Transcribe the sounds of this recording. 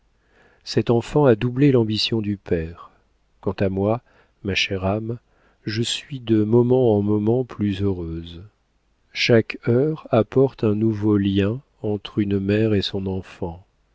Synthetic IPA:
sɛt̪ɑ̃fɑ̃ad̪ublelɑ̃bisjɔ̃d̪ypɛʁ | kɑ̃t̪amwa | maʃɛʁam | ʒəsɥid̪əmɔmɑ̃ːmɔmɑ̃plyzøʁøz | ʃakœʁapɔʁt̪ɛ̃nuvoljɛ̃ | ɑ̃t̪χynmɛʁesɔ̃nɑ̃fɑ̃

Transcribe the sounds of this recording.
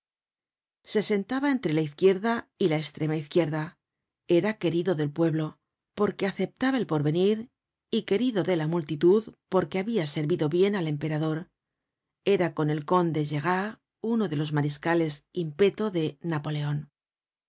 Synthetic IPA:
se̞se̞nt̪aβae̞nt̪ɾe̞laiθkje̞ɾðailaest̪ɾe̞maiθkje̞ɾða | e̞ɾake̞ɾiðo̞ðe̞lpwe̞βlo̞ | po̞ɾke̞aθe̞p̚t̪aβaelpo̞ɾβe̞niɾ | ike̞ɾiðo̞ðe̞lamult̪it̪uðpo̞ɾke̞aβiase̞ɾβiðo̞βje̞nale̞mpe̞ɾaðo̞ɾ | e̞ɾako̞ne̞lko̞nd̪e̞ʒe̞ɣa | uno̞ðe̞lo̞zmaɾiskale̞simpe̞t̪o̞ðe̞napo̞le̞o̞n

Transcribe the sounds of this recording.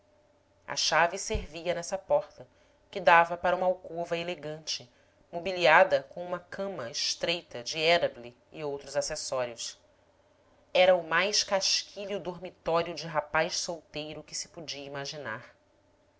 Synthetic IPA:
ɐ̰ʃavɪseɾviɐnɛsɐpɔχt̪ɐ | kɪd̪avɐpaɾɐũmɐawkovɐeleɡɐ̃nt͡ʃɪ | mobiliad̪ɐkõũmɐkʰɐ̃mɐɪʃt̪ɾejt̪ɐd͡ʒɪɛɾɐbli | ḭowt̪ɾʊzasesɔɾjʊs | ɛɾɐʊmajʃkaʃkʰiliʊd̪oɾmit̪ɔɾiʊd͡ʒɪɦapajʃsowt̪ejɾʊkɪsɪ̥pud͡ʒiɐimaʒina̰ɾ

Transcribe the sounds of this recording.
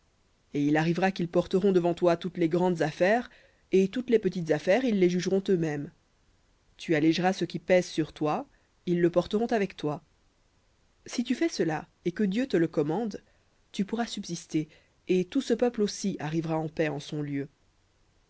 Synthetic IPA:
eilaʁivʁakilpɔʁt̪əʁɔ̃d̪əvɑ̃t̪wat̪ut̪leɡʁɑ̃d̪zafɛʁ | et̪ut̪lepət̪it̪zafɛʁilːeʒyʒʁɔ̃t̪ømɛm | t̪ʰyalɛʒʁasəkʲipɛzsyʁt̪wa | ilːəpɔʁt̪əʁɔ̃t̪avɛkt̪wa | sit̪yfɛsəla | ekəd̪jøt̪ələkɔmɑ̃d̪ | t̪ypuʁasybzist̪e | et̪usəpœplosiaʁivʁaɑ̃pɛɑ̃sɔ̃ljø

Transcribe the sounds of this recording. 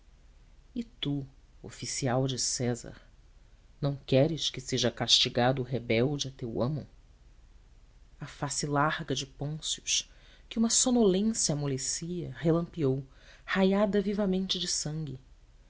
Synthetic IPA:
ɪt̪u | o̰fisiawd͡ʒɪsɛzɐ̰ɾ | nɐ̃w̃kɛɾɪʃkɪseʒɐkaʃt͡ʃiɡad̪ʊːɦebɛwd͡ʒɪɐt̪ewɐ̃mʊ̰ | ɐfasɪlaɾɡɐd͡ʒɪpõsjʊʃ | kɪũmɐsonolẽsjɐmolesiɐhelɐ̃mpiow | hajad̪ɐvivɐmẽnt͡ʃɪd͡ʒɪsɐ̃ŋɡʲɪ

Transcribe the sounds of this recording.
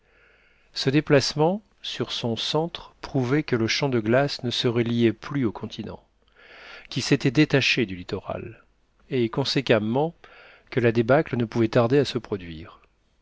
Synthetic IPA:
səd̪eplasmɑ̃ | syʁsɔ̃sɑ̃t̪χpχuvɛkələʃɑ̃d̪əɡlasnəsəʁɛlijɛplyokʰɔ̃t̪ʰinɑ̰̃ | kʲilset̪ɛd̪et̪aʃed̪ylit̪ɔʁa̰l | ekɔ̃sekamɑ̃ | kəlad̪ebaklənəpuvɛt̪aʁd̪easəpχɔd̪ɥiːʁ

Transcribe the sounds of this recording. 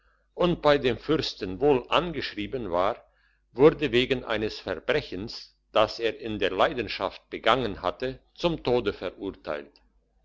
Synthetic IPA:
ʔʊnt̚b̥aɪdeːmfʏʁstənvoːlʔanɡəʃʁ̥iːbənvaːʁ | vʊɐdəveːɡən̩ʔa̰ɪnəsfɛɐbʁɛçəns | d̥aseːɐʔɪndeːɐlaɪdən̩ʃaft̚b̥əɡaŋənha̰tət͡sʊmtʰoːdəfɛɐʔuɐtʰa̰ɪlt

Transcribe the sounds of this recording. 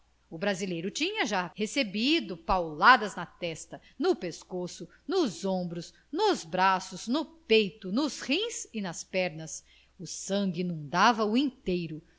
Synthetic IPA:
ʊbɾazilejɾʊt͡ʃĩɲɐʒahesebid̪ʊpawlad̪ɐznɐt̪ɛst̪ɐ | nʊpeskosʊ | nʊzõbɾʊz | nʊzbɾasʊznʊpejt̪ʊnʊshĩsɪnɐspɛɾnɐs | ʊsɐ̃ɡɪinũd̪avɐʊẽt̪ejɾʊ

